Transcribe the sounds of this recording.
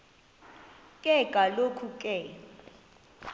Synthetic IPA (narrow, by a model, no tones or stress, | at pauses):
kʼɛkʼalokʰukʼɛ